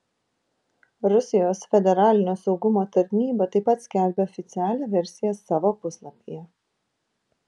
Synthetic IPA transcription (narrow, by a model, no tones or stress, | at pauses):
ɾʊsʲɪjoːsfʲɛd̪ʲɛɾɑːlʲɪnʲoːsɒʊɡʊmoːt̪ɐɾʲnʲiːbɐt̪ɐɪpːɐt̪sʲkʲæˑlʲbʲeːɔfʲɪt̪sʲɪæːlʲɛːʋʲɛɾʲsʲɪjɛsɑːʋoːpʊslˠɐpʲijɛ